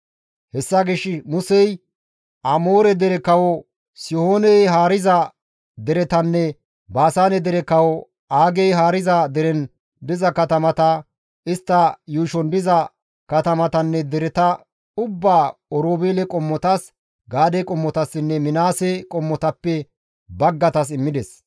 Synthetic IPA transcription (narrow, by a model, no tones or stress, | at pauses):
hɛsːɐɡɪʃːɪmʊsɛj | ʔɐmoːɾɛd̪ɛɾɛkɐwɔ | sɪhoːnɛjɦaːɾɪzɐ | d̪ɛɾɛt̪ɐnːɛ | baːsaːnɛd̪ɛɾɛkɐwɔ | aːɡɛjɦaːɾɪzɐd̪ɛɾɛn | d̪ɪzɐkɐt̪ɐmɐt̪ɐ | ɪst̪ːɐjuːʃɔnd̪ɪzɐ | kɐt̪ɐmɐt̪ɐnːɛd̪ɛɾɛt̪ɐ | ʊbːaːɔɾoːbeːlɛkʼɔmːɔt̪ɐs | ɡaːd̪ɛkʼɔmːɔt̪ɐsːɪnːɛmɪnaːsɛkʼɔmːɔt̪ɐpːɛ | bɐɡːɐt̪ɐs̬ɪmːɪd̪ɛs